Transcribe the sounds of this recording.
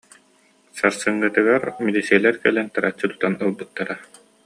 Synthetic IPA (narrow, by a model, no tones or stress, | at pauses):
saɾsɯŋːɯt̪ɯɡaɾmid̪isilʲɛɾkɛlɛnt̪aɾat͡ɕːɯt̪u̥t̪anɯlˠbɯt̪ːaɾa